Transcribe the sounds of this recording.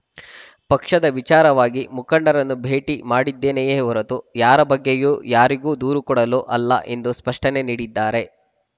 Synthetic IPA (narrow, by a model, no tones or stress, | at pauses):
pɐkʂɐd̪ɐʋit͡ʃaːɾɐʋaːɡimukɐɳɖɐɾɐnːubʱeːʈimaːɽid̪ːe̞ːnejeːuɾɐt̪ujaːɾɐbɐɡːejuːjaːɾiɡuːd̪uːɾukɔɽɐluʔɐlːɐ̰ʔe̞nd̪uspɐʂʈɐne̞niːɽid̪ːaːɾe̞